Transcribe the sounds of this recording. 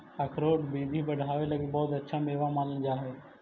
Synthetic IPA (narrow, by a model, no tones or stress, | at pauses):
ɐkʰɾoːʈbiːd̪ʱibɐɽ̤ʱaːʋelɐɡebɔːt̪ɐtːʃʰameːʋamaːnənd͡ʒaːɦɛː